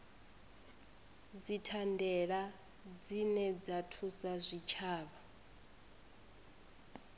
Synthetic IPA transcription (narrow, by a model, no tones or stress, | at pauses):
d͡zitʰandɛɺa | d͡zinɛd͡zatʰusazʷit͡ʃʰaːβa